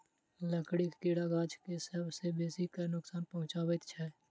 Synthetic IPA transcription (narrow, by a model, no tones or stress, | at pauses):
ləkɽikkiːɽaɡaːt͡ʃʰkesəbsebeːsikənʊksaːnpəɦʊ̃t͡ʃaːwət̪t͡ʃʰɛː